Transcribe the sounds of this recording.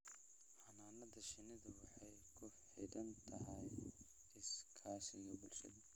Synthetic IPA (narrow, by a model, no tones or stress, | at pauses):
ħɑnaːnɐðɐʃɪnɪðɐwɑħɑj | kʰʊħɪdɐnt̪ʰɐɦɐj | ɪskʰaːʃɪjɐbʊlʃɐ̰ðɐ